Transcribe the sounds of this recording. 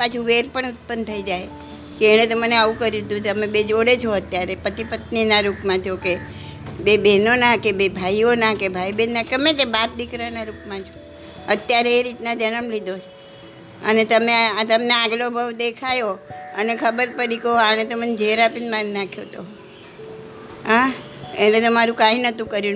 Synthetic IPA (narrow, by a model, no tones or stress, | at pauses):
pat͡ʃʰuʋeɾpəɳut̪̚pənt̪ʰəid͡ʒaj | keeɽ̃ẽt̪oməneaũkəɾid̪ũt̪əmẽbed͡ʒoɽet͡ʃʰoət̪jaɾepət̪ipət̪ninaɾupmãt͡ʃʰoke | bebʱenonãkebebʱaionakebʱaibenːakəmẽkebap̪̚d̪ikɾanaɾupmãt͡ʃʰo | ət̪jaɾeːɾit̪nad͡ʒənəmlid̪ot͡ʃ | ənet̪əmeat̪əmneaɡlobʱəʋd̪ekʰajoənekʰəbəɾpəɽikəaɽ̃et̪omənd͡ʒʱeɾapinmanːakʰjot̪o | ɦã | enẽt̪omaɾũkãĩnət̪ũkəɾjũ